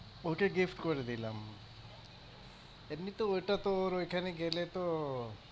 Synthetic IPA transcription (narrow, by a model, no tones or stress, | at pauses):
okeɡifʈkɔɾed̪ilam | ebnit̪oojʈat̪oːɾojkʰaneɡelet̪o